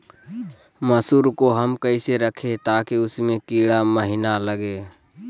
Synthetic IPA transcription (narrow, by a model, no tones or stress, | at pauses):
məsuːɾkoɦəmkəɪseɾəkʰet̪aːkeʊsmẽkiːɽaməɦɪnaləɡeː